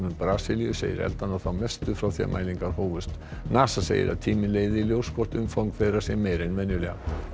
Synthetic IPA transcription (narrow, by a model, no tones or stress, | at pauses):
nʏnpɾaːsɪlijʏsḛːjɪ̰ɾɛ̰lt̪anɔθawmɛst̪ʏfɾawθia̰mʔa̰jliŋkaɾ̥hoːwvʏst̪ | naːsasḛːjɪ̰ɾʔa̰ðt̪ʰiːmɪnleːjðɪiljowskʰɔht̪ʏmfawŋkfɛːðɾasjɛmejɾejnmɛnjʏlɛːɣa̰